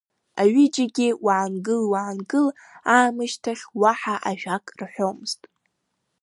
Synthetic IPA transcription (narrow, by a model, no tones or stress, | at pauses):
aɥid͡ʒaɡʲɪwaʕnɡɨlwaːnɡɨl | aːmɨʃtʰaχʲwaħaʔaʒᶣakʼrħʷᶣomz̥tʼ